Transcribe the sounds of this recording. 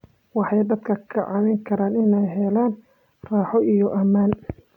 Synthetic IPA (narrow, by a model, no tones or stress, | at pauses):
wɑħɑjd̪ɐd̪kʰɐkʰɐʕɑmɛŋkʰɐɾaːnɪnɛjɦɛlaːn | raːħɔijɔʔɐmaːn